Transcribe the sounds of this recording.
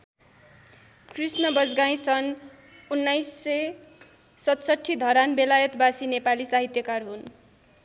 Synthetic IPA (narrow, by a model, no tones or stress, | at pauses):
krisnʌbʌd͡zɡaĩsʌn | unːajsːʌ | sʌt̪sʌʈʰːid̪ʱʌɾanbelajʌt̪basinepalisaɦit̪jʌkarɦun